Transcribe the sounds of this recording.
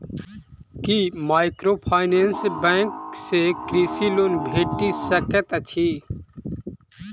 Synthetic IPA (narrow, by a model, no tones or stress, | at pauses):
kimaːɪkɾoːpʰaːɪneːnsbɛ̃ːŋksekɾiːsiːloːnbʱeːʈisəket̪ɐt͡ʃʰi